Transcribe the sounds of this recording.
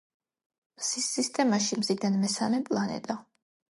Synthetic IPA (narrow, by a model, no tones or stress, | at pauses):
sisːist̪ʼɛmaʃimzid̪anmɛsamɛpʼlˠanɛ̰t̪ʼa